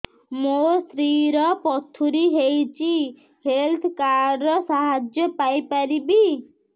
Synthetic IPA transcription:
most̪ɾiɾɔpɔt̪ʰːuɾiɦejt͡ʃʰi | helt̪ʰkaɾɾɔsaɦad͡ʒjɔpajpaɾibi

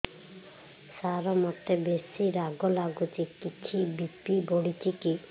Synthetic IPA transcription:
saɾɔmɔt̪ebesiɾaɡɔlaɡut͡ʃikit͡ʃʰibipiboɽit͡ʃiki

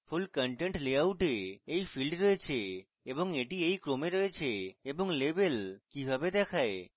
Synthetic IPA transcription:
fulkəɳʈeɳʈleawʈeejfilɖɾɔet͡ɕʰe | eboŋeʈiejkɾomeɾɔet͡ɕʰeeboŋlebelkibʱabed̪ɛkʰae

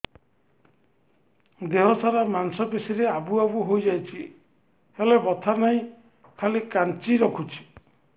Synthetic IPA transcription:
d̪eɦɔsaɾamansɔpesiɾeabuabuɦojd͡ʒajt͡ʃʰi | helebɔt̪ʰanaĩ | kʰalikant͡ʃiɾɔkʰut͡ʃʰi̥

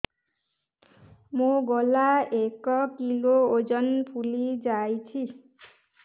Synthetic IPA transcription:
mũɡɔlaekɔkilood͡ʒɔnpʰulid͡ʒajt͡ʃʰi

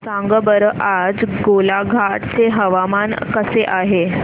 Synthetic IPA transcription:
sãŋɡəbəɾʔad͡zɡolaɡʱaʈt͡seɦəʋamankəseʔaɦe

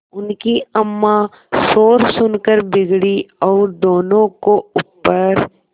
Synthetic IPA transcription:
ʊnkiɐmːa | soːɾsʊnkəɾbɪɡɽiɔːɾd̪oːnõkoʊpːəɾ

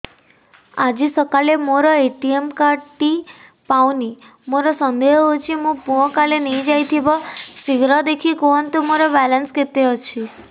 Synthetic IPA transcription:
ad͡ʒisəkalemoɾɔeʈiemkaʈi | pawni | moɾɔsənd̪eɦɦot͡ʃʰimũpoɔkalenəĩd͡ʒajt̪ʰibɔsiɡɾɔd̪ekʰikɔɦɔnt̪umoɾɔbɛlənsket̪eɦɔt͡ʃʰi

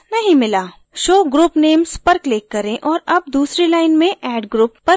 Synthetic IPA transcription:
nɐɦĩmɪlaː | ʃoːɡɾuːpneːmzpɐɾklɪkːɐɾẽʔɔːɾɐb̚d̪uːsɾilaːɪnmẽʔɛːɖɡɾuːpːɐɾ

